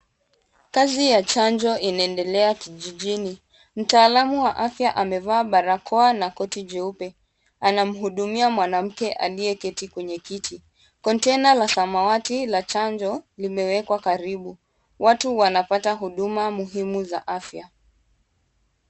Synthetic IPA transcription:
kazijat͡ʃand͡ʒɔinaɛndɛlɛakiʄiʄini | m̩taːlamuwaʔafjaʔamɛvaːɓaɾakʰɔanakɔtid͡ʒɛupɛ | anam̩ɦuɗumiamwanam̩kɛʔa̰liɛkɛtikwɛɲɛkitʰi | kɔntɛnalasamawatilat͡ʃand͡ʒɔlimɛwɛkwakaɾiɓu | watuwanapataɦuɗumamuɦimuza̰ʔafja

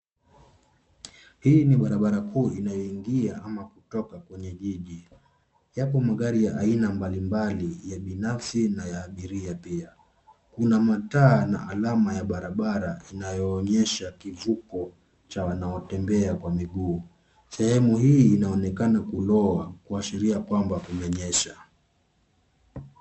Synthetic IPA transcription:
hiniɓaɾaɓaɾakʰuːinajɔiŋɡiaʔamakutɔkakwɛɲɛʄiʄi | japɔmaɠaɾijaʔainambalimbalijaɓinafsinajaːɓiɾiapia | kunamataːna̰ʔalamajaɓaɾaɓaɾainajɔːɲɛʃakivukɔ | t͡ʃawanaɔtɛmbɛakwamiɠuː | sɛhɛmuɦiːnaɔnɛkanakulɔakuasiɾiakwambakumɛɲɛʃa

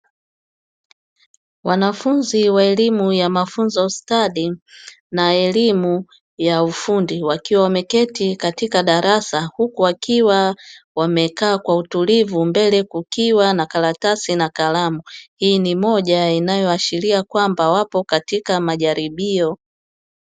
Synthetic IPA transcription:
wanafunziwaɛlimujamafunzɔustaɗi | naɛlimu | jaufundiwakiwawamɛkɛtikatikaɗaɾʔasahukuwakiwawamɛkaːkwautulivumbɛlɛkukiwanakalatasinakalamuhiːnimɔʄainajɔaʃiliakwambawapɔkatikamaʄaɾiɓiɔ

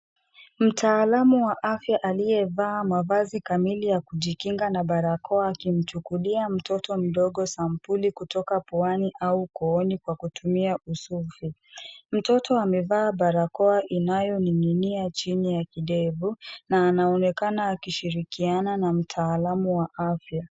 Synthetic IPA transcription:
m̩tʰaːlamuwaʔafjaʔalijɛvaːmavazikamilijakuʄikiŋɡanaɓaɾakʰɔaːkim̩t͡ʃukuliam̩tʰɔtɔm̩ɗɔɠɔsam̩pulikutɔkapɔaniʔaukɔɔnikwakutumiausufim̩tɔtʰɔamɛvaːɓaɾakɔaʔinajɔnininiat͡ʃinijakiɗɛvunaːnaɔnɛkanaːkiʃiɾikiananam̩tʰaːlamuwaʔafja

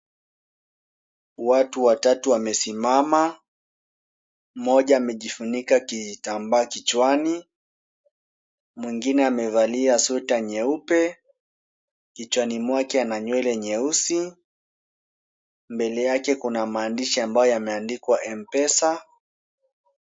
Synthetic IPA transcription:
watuwatatuamɛsimama | mɔʄaːmɛʄifunikakitambaːkit͡ʃwani | mwiŋɡinɛamɛvaliasutaɲɛupɛ | kit͡ʃwanimwakɛanaɲwɛlɛɲɛusi | mbɛlɛjakɛkunamaːndiʃiambajɔjamɛandikwaʔɛmpɛsa

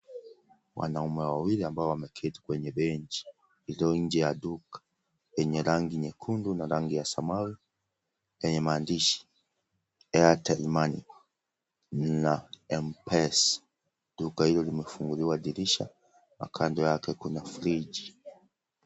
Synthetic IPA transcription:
wa̰naumɛwwawiliambaɔwamɛkʰɛti̥kwɛɲɛɓɛɲt͡ʃi̥ | iliɔnɲ̩d͡ʒɛjaɗukḁ | jɛɲɛɾaŋɡiɲɛkʰundunaɾaŋɡijasamawi | jɛɲɛmaːndiʃi̥ | ɛatɛlmanḭ | naɛmpɛs | ɗukahilɔlimɛfuŋɡuliwaɗiɾiʃa | ma̰kʰandɔjakɛkunafɾiʄi

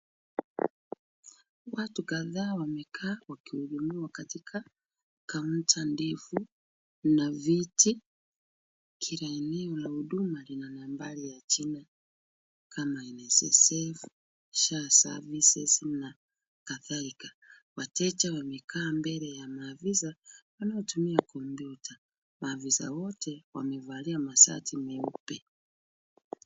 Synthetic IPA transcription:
watukaðaːwamɛkʰaːwakiuʄumiwakatikʰa | kauntandifu | naviti | kʰiɾaɛnɛɔlahuɗumalinanambalijat͡ʃina | kʰamaɛnɛsɛ̰sɛf | ʃasa̰visɛsina | kaθalikḁ | watɛt͡ʃawamikʰaːmbɛlɛjamavizawanaɔtumiakʰɔmbjutʰa | maviza̰wɔtʰɛwa̰mɛvaliamasa̰tʰimɛupɛ

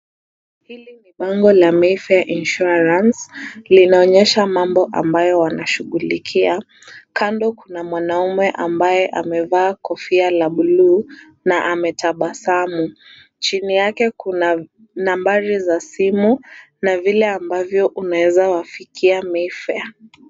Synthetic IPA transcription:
hiliniɓaŋɡɔlamɛfɛʔinʃuaɾanslinaɔɲɛʃamambɔʔa̰mbajɔwanaʃuɠulikʰia | kandɔkunamwanaumɛʔambajɛʔamɛvaːkɔfialaɓulu | naʔamɛtʰaɓasamu | t͡ʃinijakɛkuna | nambaɾizasimu | navilɛambavjɔʔunawɛzawafikʰiamɛfɛa

